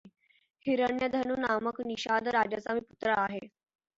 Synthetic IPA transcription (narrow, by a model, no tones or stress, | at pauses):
hiɾəɳjəd̪ʱənuːnaməkniɕad̪ɾad͡ʑat͡samiːput̪ɾəaɦe